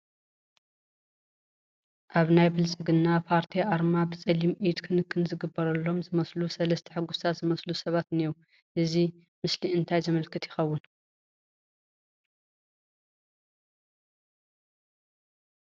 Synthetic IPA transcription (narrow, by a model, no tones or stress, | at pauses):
ʔaβnajbɨlt͡sʼɨɡɨnːapʰaɾt̪ʰiaɾmabɨt͡sʼɐlimʔid̪kʰɨnɨkʰːɨnzɨɡɨbːɐɾɐlːo̞mzɨmɐslusɐlɐst̪ʰɐ̥ħɨɡust̪ʰat̪zɨmɐslusɐβat̪niu | ʔɨzi | mɨsliɨnt̪ʰajzɨmɐlkʰɨt̪jɪxɐwːʊn